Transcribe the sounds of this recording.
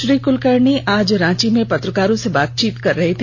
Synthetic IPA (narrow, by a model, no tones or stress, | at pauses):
ʃɾiːkʊlkɐɾɳiʔaːd͡ʒɾãːt͡ʃimẽpɐt̪ɾəkaːɾõsebaːt̪̚t͡ʃiːt̪kɐɾːɐɦet̪ʰ